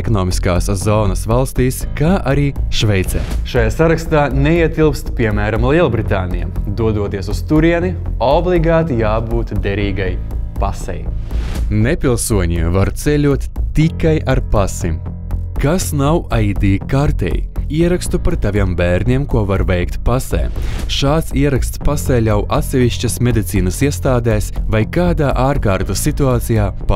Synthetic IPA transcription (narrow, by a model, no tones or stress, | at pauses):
kɔnɔːmiskaːszɔːnɐsvalˠst̪iːskaːʔaɾiːʃvɛjt̪sɛ̰ːʃajaːsaɾakst̪aːneiɛt̪ʲilˠpst̪pʲiɛmæːɾamlʲˠiɛlˠbɾit̪aːnijɛ̰md̪uɔd̪uɔt̪iːɛsust̪uɾiɛniɔblˠiɡaːt̪ijaːbuːt̪d̪ʲɛɾiːɡaj | pasɛ̰j | nepʲilˠsuɔɲʲivaɾt̪selʲuɔt̪t̪ikajaɾpasim | kasnawaid̪iːkaɾt̪ɛ̰ːjḭiɛɾakst̪upaɾt̪avʲiɛmbæːɾnʲiɛmkuɔvaɾvɛjkt̪pasɛ̰ːʃaːt̪siɛɾakst̪spasɛjlʲawʔat̪sʲɛvʲiʃt͡ʃasmʲed̪it̪siːnasiɛst̪aːd̪ɛːsvajkaːd̪aːʔaːɾkaːɾt̪usit̪uaːt̪sijaːp